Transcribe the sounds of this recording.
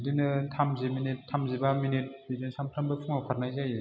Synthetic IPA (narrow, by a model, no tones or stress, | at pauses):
dinɯtʰamzeminitʰːamzebaminit̚bidinsamtʰambɯpʰuŋapʰaɾnajzaje